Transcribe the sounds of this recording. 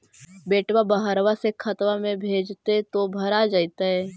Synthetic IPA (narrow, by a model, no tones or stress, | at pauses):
beːʈwabəɦəɾwasekʰət̪wamẽbʱeːd͡ʒt̪et̪obʱɐɾad͡ʒaːit̪aɦɛː